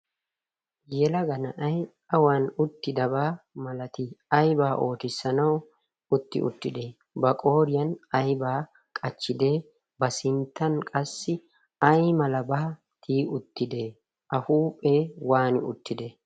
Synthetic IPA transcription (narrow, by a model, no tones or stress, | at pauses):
jɛlɐɡɐnɐʔɐj | ɐwaːnʊt̪ːɪd̪ɐbaːmɐlɐt̪ɪɐjbaːʔo̞ːt̪ɪsːɐnɐw | ʊt̪ːɪ̰ʔʊ̰t̪ːɪd̪e̞ː | bɐkʼo̞ːɾɪjɐnɐjbaː | kʼɐt͡ʃːɪd̪e̞ː | bɐsɪnt̪ːɐnkʼɐsːɪ | ɐjmɐlɐbaː | t̪ʰiːʊt̪ːɪd̪e̞ː | ʔɐhuːpʼːeːwaːnɪʊ̰t̪ːɪd̪eː